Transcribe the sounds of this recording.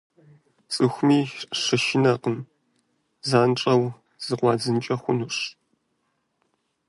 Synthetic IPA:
t͡sʼɨxʷmiːʂɨʃɪnɐqəm | zaːnʈ͡ʂʼɐw | z̥ɨqʷɑːd͡zɨnt͡ʃʼɐxʷʊnuɕ

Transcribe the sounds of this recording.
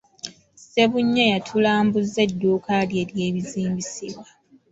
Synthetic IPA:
se̞βuɲːajatʰulaːmbuzːe̞dːuːkalje̞ːɾje̞ːβiziːmbisiβwa

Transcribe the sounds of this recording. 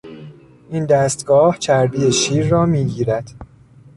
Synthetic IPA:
ʔind̪æst̪ɡɒːht͡ʃʰæɾbiːeʃiːɾːɒːmiːɟiːɾæd̪̥

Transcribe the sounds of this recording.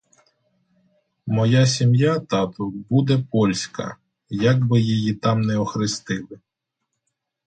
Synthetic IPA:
mɔjasʲimjat̪ɑt̪ʊbud̪ɛpɔlʲsʲkɐ̰ | jɐɡbɪjejit̪ɑmnɛɔxɾɪst̪ɪlˠɪ

